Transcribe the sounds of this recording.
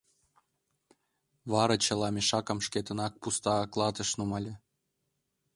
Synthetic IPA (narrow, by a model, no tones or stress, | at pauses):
βɑɾɑt͡ɕɤ̆lˠɑmʲeʃɑkɤ̆mʃkʲet̪ə̆nɑk̚pust̪ɑklˠɑd̪ɤ̆ʃnumɑlʲĕ